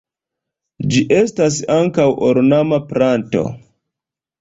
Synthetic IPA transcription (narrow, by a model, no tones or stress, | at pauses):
d͡ʒiʔe̞stas̬aŋkawoɾnamapɾanto̞̰